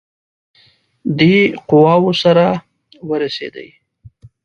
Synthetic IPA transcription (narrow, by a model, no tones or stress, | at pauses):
d̪eqʊwɑwosaɾa | wəɾasḛd̪ə̰j